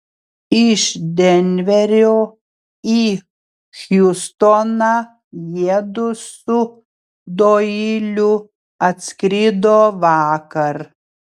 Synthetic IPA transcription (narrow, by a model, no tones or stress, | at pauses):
ɪʃd̪ʲɛnʲʋʲɛɾʲoː | i | xjust̪oːnaː | jiɛd̪ʊsʊ | d̪oːiːlʲʊ | ɐt̪ʲsʲkɾʲɪd̪oːʋɑːkɐɾ